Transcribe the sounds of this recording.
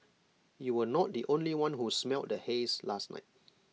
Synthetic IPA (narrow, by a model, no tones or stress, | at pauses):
juwənɔt̚diʔõnliwãnhusmɛlt̚dəheslasna̰ɪt̚